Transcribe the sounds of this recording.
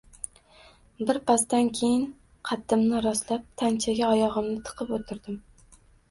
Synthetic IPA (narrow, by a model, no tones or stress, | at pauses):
bɪɾpʰast̪ankʲʰejɪn | qʰɑt̪ʰːɪmnɪɾɒslap̚t̪ʰant͡ʃʰaɡʲaɒjɒʁɨmnɪt̪ʰɨ̥qʰɨpot̪ʰɪɾd̪ɪm